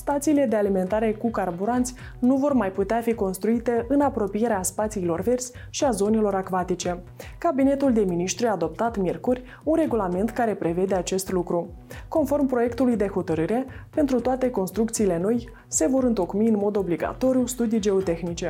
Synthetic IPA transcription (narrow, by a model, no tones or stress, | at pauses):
st̪at̪siːle̞d̪ealime̞nt̪aɾe̞kukarbuɾant̪sʲ | nuvo̞rmajput̪eafiko̞nst̪ɾuit̪e̞ʔɨnapɾo̞pije̞ɾeaspat̪siːlo̞rve̞rsʲ | ʃiazo̞ne̞lo̞ɾakvat̪it͡ʃe̞ | kabine̞t̪uld̪e̞miniʃt̪ɾujaːd̪o̞p̚t̪at̪mʲjerkurʲ | unre̞ɡulame̞nt̪kaɾe̞pɾe̞ve̞d̪e̞at͡ʃe̞st̪lukɾu | ko̞nfo̞rmpɾo̞je̞kt̪ulujd̪e̞ho̞t̪əɾɨɾe̞pe̞nt̪ɾut̪oat̪e̞ko̞nst̪ɾuk̚t̪siːle̞no̞j | se̞vo̞ɾɨnt̪o̞kmiɨnmo̞d̪o̞bliɡa̰t̪o̞ɾjust̪ud̪ijd͡ʒe̞ot̪e̞xnit͡ʃe̞